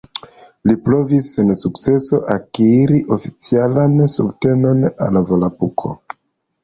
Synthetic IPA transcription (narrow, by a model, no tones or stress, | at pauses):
lipɾo̞vise̞nsukt͡se̞so̞ʔakiɾiʔo̞fit͡sialansubte̞no̞na̰lavolapukʰo̞̰